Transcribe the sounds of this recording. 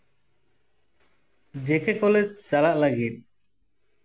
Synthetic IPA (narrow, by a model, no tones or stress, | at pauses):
d͡ʒekekɔlet͡ʃalaʔlaɡit̪̚